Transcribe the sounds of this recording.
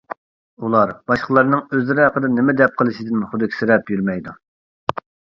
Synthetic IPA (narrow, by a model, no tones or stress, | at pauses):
ulˠɑɾb̥ɑʃqʰəlˠɑɾnɨŋøzlɪɾɪɦɑqəd̪ɑnɪmɪd̪ɛp̚qʰəlˠɨʃid̪ɪnχʊd̪ɪkʲi̥sɪɾɛpjyɾmɛjd̪u